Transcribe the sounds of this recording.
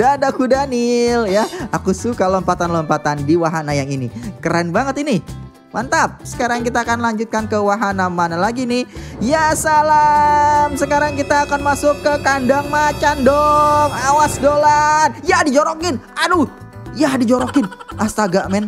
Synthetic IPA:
daːdakudanɪljaakusukalɔmpat̪anlɔmpat̪andiwaɦanajaŋinikəɾanbaŋət̪inɪ | mant̪ap̚sə̥kaɾaŋkit̪aːkanlaɲd͡ʒʊt̪̚kankəwaɦanamanalaɡinɪjasalamsəkaɾaŋkit̪aːkanmasʊkːəkandaŋmat͡ʃandɔŋawasdolanjadid͡ʒoɾokɪnanu | jadid͡ʒoɾokɪnʔast̪aɡaʔmɛn

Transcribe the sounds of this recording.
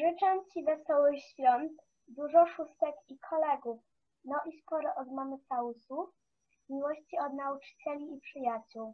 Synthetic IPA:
ʐɘt͡ʂamt͡ɕivɛsɔwɘxɕfʲjɔnt̪ | d̪uʐɔʂust̪ɛkikʰɔlɛɡuf | nɔʔispɔɾɔʔɔd̪mɔnɔsausuf | mʲiwɔɕt͡ɕiɔd̪naut͡ʂɘ̥t͡ɕɛlʲiːpʂɘjat͡ɕuw

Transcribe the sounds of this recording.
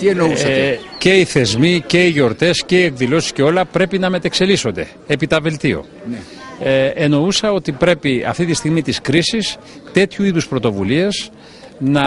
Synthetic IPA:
t̪ienousɐce̞iθe̞zmice̞iʝo̞ɾt̪e̞sce̞ie̞kðilo̞si̥sce̞o̞lɐpɾe̞pinɐme̞t̪e̞kse̞liso̞nd̪e̞̰ | epit̪ɐve̞lt̪io̞̰ | n | eno̞usɐo̞t̪ipɾe̞piɐ̰ft̪it̪ist̪iɣmit̪iskɾisis | t̪e̞t̪çuiðuspɾo̞t̪o̞vulie̞z | nɐ

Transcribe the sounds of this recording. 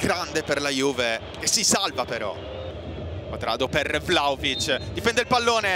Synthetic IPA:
ɡ̥ɾand̪eperlajuːve | k̟esːisalvapeɾɔ̰ | ot̪ɾa̰ːd̪opervlawvit͡ʃːd̪ipɛnd̪eilpalːoːne

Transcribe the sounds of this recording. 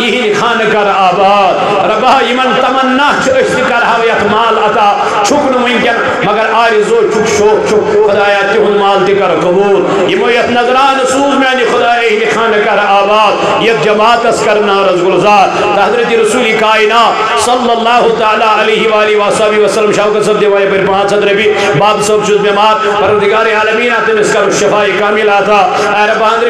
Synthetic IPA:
jiɦinikʰaːnɐkɐɾaːbaːd̪̚ | ɾɐbajimɐnt̪ɐmɐnːaːt͡ʃʰuɐʃt̪ikɐɾɦɐʋɐjɐt̪maːlɐt̪aː | t͡ʃʰuknɐmɐnʲkʲɐn | mɐɡɐɾaːɾizoːt͡ʃʰukʃʰoːkt͡ʃʰukxɐd̪aːjaːt̪iɦunmaːlt̪ikɐɾkɐbuːl | jimoːjɐt̪ʰnɐzɾaːnɐsuːbmjaːnixʊd̪aːjɐɦinikʰaːnɐkɐɾaːbaːd̪̚ | jɐt̪̚d͡ʒɐmaːt̪ɐskɐɾmnaːɾɐzɡʊlzaːɾ | t̪ɐɦɐzɾɐt̪iɾɐsuːlikaːinaː | sɐlːɐlːaːɦʊt̪aːlaːɐlɐːɦiʋaːliʋasaːbiʋɐsɐlːɐmʃaːwkɐtsɐb̚d̪eʋaːjipɐɾipɐɳ̤ãːt͡sʰɐt̪ɾɐbi | baːbsɐbt͡ʃʰut̪memaːɾ | pɐɾʋɐd̪iɡaːɾeaːlɐmiːnaːt̪ɐmɐskɐbɐʃɐfaːjikaːmilaːt̪ʰaː | ɐɾɐbãːɐnd̪ɾ

